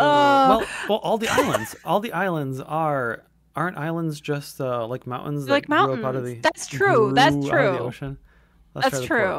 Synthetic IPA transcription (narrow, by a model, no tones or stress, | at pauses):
ʌwɛlwɛlˠʔɔlˠðiʔa̰ɪlˠə̰̃ndz̥ʔɔlˠðiʔaɪlˠə̃ndzə˞ | ʔɑɹ̃ntaɪlˠə̃ndzd͡ʒʌstʌlaɪk̚mãʊ̃nʔn̩zðlaɪk̚mãʊ̃oʊpaʊɾʌvðiðætstʰɹ̥ʉðætstʰɹ̥ʉðio̰ʊʃɨ̃n | ðæætʰɹ̥ʉ